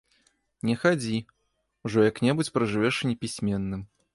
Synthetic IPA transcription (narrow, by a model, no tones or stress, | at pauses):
nʲɛxad͡zʲi | wʐɔjɐknʲɛbut͡sʲpɾɐʐɨvʲɛʂɨnʲɛpʲisʲmʲɛnːɨm